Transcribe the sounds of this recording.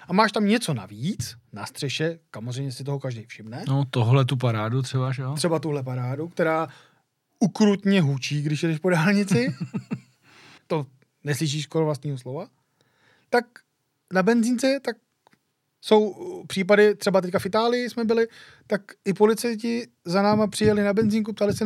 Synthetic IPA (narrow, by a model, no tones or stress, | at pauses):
ʔamaːʃt̪amɲɛt͡so̞na̰viːt͡snast̪r̝̥ɛʃɛsamo̞zrɛjmɲɛsɪt̪oɦokaʒdɛjfʃɪmnɛnot̪oɦlɛt̪upaɾaːdut̪r̥ɛbaʒɛt̪r̥ɛbat̪uɦlɛp̬aɾaːdukt̪ɛɾaː | ʔukɾut̪ɲɛɦut͡ʃiːɡdɪʃjɛdɛʃpo̞daːlɲɪt͡sɪ | t̪o̞ | nɛslɪʃ̬iːʃkoɾovlast̪ɲiːɦoslova | t̪ak | nabɛnziːnt͡sɛt̪ak̚ | so̞wpr̥iːp̬adɪt̪r̥ɛbat̪ɛckafɪt̪aːlɪjɪsmɛbɪlɪ | t̪akʔɪpo̞lɪt͡sajcɪ | zanaːmapr̥ɪjalɪnabɛnziːŋk̬up̚t̪alɪsɛ